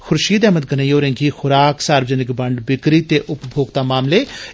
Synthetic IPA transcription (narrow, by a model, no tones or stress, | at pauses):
xʰʊɾʃiːd̪ɛːmət̪̚ɡənəjːoːɾẽŋɡiːxʊɾaːksaːɾbəd͡ʒənɪkbəɳɖbɪkɾiːt̪eːʔʊpbʱoːɡt̪aːmaːmleː